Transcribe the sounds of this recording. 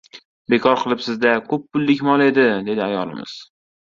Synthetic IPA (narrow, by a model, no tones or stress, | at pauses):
be̞kʰɒɾqʰɨlˠɪpsɪzd̪akʰɵpːʊlːɪkʲmɒlˠe̞d̪ɪd̪e̞d̪ɪajɒlˠɪ̰mɪ̰z̥